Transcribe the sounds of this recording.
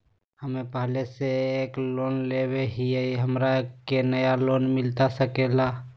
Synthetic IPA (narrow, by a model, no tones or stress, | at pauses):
həmepəɦleseekloːnleweɦiəiɦəmɾaekːenəjalonmɪlt̪asəkela